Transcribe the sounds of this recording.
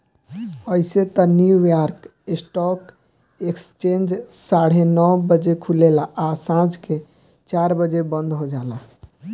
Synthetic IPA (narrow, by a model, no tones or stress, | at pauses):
əiset̪ənjujɔɾkesʈɔk | ekst͡ʃend͡ʒsaɽ̤enɔwbəd͡ʒekʰulelaʔasãd͡ʒke | t͡ʃaɾbəd͡ʒebə̃nd̪ʱɦod͡ʒala